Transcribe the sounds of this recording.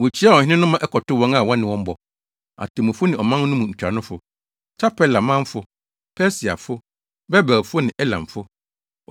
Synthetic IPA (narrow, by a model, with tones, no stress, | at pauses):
wɔ˨t͡ɕʰi˦a˦wɔ˨hɪ̃˦nɪ̃˦nʊ̃˦mã˦ʔɛ˦kʰɔ˨tʊ˦wɔ̃˦ŋa˨wɔ̃˦nɪ̃˨wɔ̃˦m̩˦bɔ˨ | a̰˨tʰɪ˨mʊ̃˨fʊ˦nɪ̃˨ɔ˨mã˦n˦nʊ̃˦mũ˨ɲ̩˨t͡ɕᶣɾa˨nʊ̃˦fʊ˨ | t͡ɕʰa˦pʰɛ˦la˨mã˦m˦fʊ˨ | pʰɛ˦si˨a̰˨fʊ˦ | bɛ˦ba˨fʊ˦nɪ̃˨ʔɛ˦lã̰˨m˨fʊ˦